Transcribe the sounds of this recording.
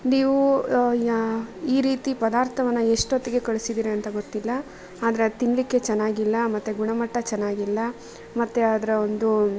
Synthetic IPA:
niːʋu | iːɾiːt̪ipɐd̪aːɾt̪ʰɐʋɐnːɐeʂʈot̪ːiɡe̞kɐɭisid̪iːɾeɐnt̪ɐɡot̪ːilːɐ | aːd̪ɐɾet̪inlikːe̞t͡ʃɛnːaːɡilːɐmɐt̪ːeɡuɳɐmɐʈːɐt͡ʃɛnːaːɡilːɐ | mɐt̪ːeaːd̪ɐɾeond̪u

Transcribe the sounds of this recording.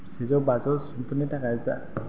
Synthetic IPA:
sezɔwbazɔɹsumpʰunitʰakaza̰

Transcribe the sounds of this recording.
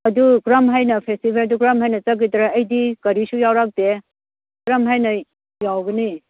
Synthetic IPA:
ɐduɡɾɐmɦajnɐpʰestibʰajduɡɾɐmɦajnɐt͡ʃɐɡ̬it̪ɾɐɐjdikɐɾisujawɾak̚de | ɡɾɐmɦajnɐ | jawɡini

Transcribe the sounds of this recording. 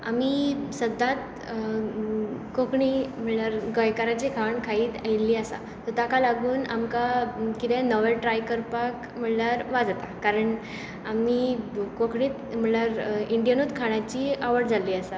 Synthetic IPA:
a̰miːsəd̪ʱːãt̪ | kokɳiːm̤əɳlaɾɡəjkaɾat͡ɕekʰaɳkʰaiːt̪ailːiasa̰ | t̪ɔt̪akalaɡʱuːna̰mkakit̪ɛ̃nɔʋeʈɾajkəɾpak | m̤əɳlaɾʋad͡zat̪akaɾəɳ | amikokɳiːt̪m̤əɳljaɾiɳɖijanod̪kʰaɳ̃at͡ɕiaʋəɾʈd͡zʱalːiːasa

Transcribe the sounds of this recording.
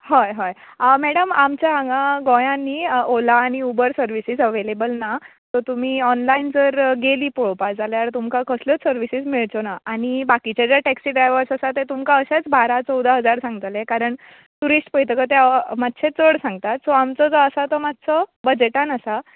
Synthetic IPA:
hɔjɦajəmɛɽəmamt͡ɕjaaŋɡãɡojãnːiolaːɽ̃iubəɾsəɾʋisid͡zəʋelebəlnat̪ɔt̪um̤iːɔnlaind͡zəɾɡeliːpoɭpad͡zaljaɾt̪umkakəslət͡ssəɾʋisismiɭt͡sonaaɽ̃ibakit͡ɕad͡ʑjaʈɛksiɖɾajʋəɾsasat̪et̪umkaəɕat͡sbaɾat͡sɔwd̪ʱaɦəd͡zaɾsãŋɡt̪alekaɾəɳ | t̪uɾisʈpəjt̪əkət̪̬emat̪ːɕʰet͡səɽsãŋɡt̪at̪sɔamt͡sɔd͡zɔəsat̪ɔmat̪ːt͡sɔbəd͡ʑeʈanəsa

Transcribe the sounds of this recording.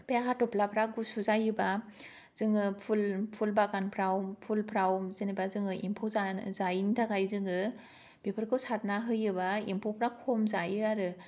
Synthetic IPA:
peaɦatɔpʰlapʰɾaɡusuzajɯba | z̥ɯŋɯpʰulpʰulbaɡanpʰɾawpʰulpʰɾawzɯnibazɯŋɯʔimpʰowzazajintʰaɡajzɯŋɯ | b̥ipʰɯɾkʰɯwsat̚naɦɯjɯbaḭmpʰowpʰɾakʰɔmzajɯaɾɯ

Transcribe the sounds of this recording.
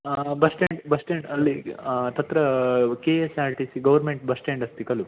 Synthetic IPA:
bɐsʈeɳɖbɐsʈeɳɖɐlːit̪ɐt̪ɾɐkeːesaːɾʈisiɡɐʋɐɾmeɳʈ̚bɐsʈeɳɖɐst̪ikɐlu

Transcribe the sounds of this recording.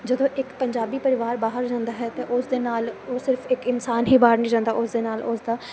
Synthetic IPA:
d͡ʒəd̪õːʔɪkpəɲd͡ʒaːbiːpəɾɪʋaːɾbaːɦəɾd͡ʒãːnd̪aːɦɛːt̪eːʔʊsd̪eːnaːloːsɪɾfʰɪkɪnsaːnɦiːbaːɦəɾnĩːd͡ʒãːnd̪aːʊsd̪eːnaːlʊsd̪aː

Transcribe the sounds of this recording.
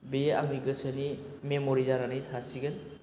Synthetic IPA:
bea̰ŋiɡəsənimemɔɾizaɾanitʰasiɡɯn

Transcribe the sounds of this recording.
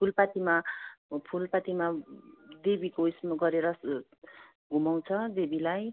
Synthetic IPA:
pʰulpat̪imapʰulpat̪imad̪ebikoismʌɡʌɾeɾʌ | ɡʱumaw̃t͡sʰʌd̪ebilaj

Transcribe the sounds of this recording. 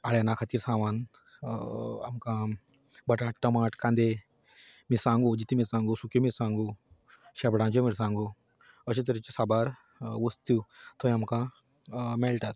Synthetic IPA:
aːɽenãkʰat̪iːɾsãːʋaːn | ɐ̰mkã | bɐʈãːʈʈɐmaːʈkãːnd̪e | misãːŋɡod͡ʒit̪imiɾsãːŋɡosukemiɾsãːŋɡoʃɐbɽãːd͡ʒomiɾsãːŋɡo | ɐt͡ʃʰit̪ɐɾit͡ʃisabaːɾ | wost̪ʰut̪ʰoːjɐmkã | melʈat̪̚

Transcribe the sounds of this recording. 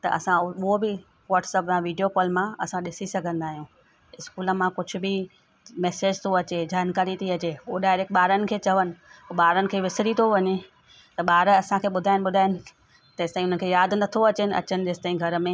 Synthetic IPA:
t̪ɐ̰ʔɐ̰sãʊɦobɪ | ʋaːʈsəpjãʋiːɖijokɔːlmãɐsãɗɪsisɐɡʱə̃nd̪aːɦijũː | ɪskuːlə̆mãkʊd͡ʑʱʊ̆bɪ | mɛːseːd͡ʑt̪ʰoɐt͡ɕed͡ʑaːnkaːɾit̪ʰiɐt͡ɕeːʊoɗaːɪɾeːk̚ʈ̚ɓaːɾənɪ̆kʰeːt͡ɕɐʋənɪ̆oːɓaːɾənɪ̆kʰeːʋɪsɽit̪ʰoʋɐɲe | t̪ɐɓaːɾɐsãkʰeːɓʊd̪ʱaːɪnɪ̆ɓʊd̪ʱaːɪnɪ̆ | t̪ɐɪst̪aːĩʊn̤ən̆kʰeːjaːd̪ʱnɐt̪ʰoɐt͡ɕɪnɪʔɐ̰t͡ɕənɪ̆d͡ʑeːst̪aːĩɡʱɐɾmẽ

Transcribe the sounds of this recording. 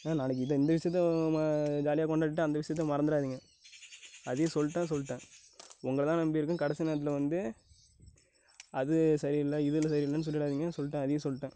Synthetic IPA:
naːnaːnɐk̬ːɯɪðɐɪnd̪ɐʋɪʂɐjt̪ːɛ | d͡ʒaːlɪjaːkɔɳɖɐʈːʈːɯɐnd̪ɐʋɪʂɐjɐt̪ːɐmɐɾɐnd̪ɪɾaːðiːŋɡɐ | ɐðɯjɐ̃sɔlːɪʈːẽːsɔlːɪʈːẽː | ʊŋɡɐɭt̪ãːnɐmbijɪɾɯkːɯ̃kɐɽɛsɪnɐɐt̪ːɪlʋɐnd̪ɯ | ɐðɯsɐɾiɪlːɐɪðɯlɐsɐɾiɪlːɐnːɯs̬ɔlːɪɽaːðiːŋɡɐnsɔlːɪʈːẽːɐðɯjɐ̃sɔlːʈːẽː

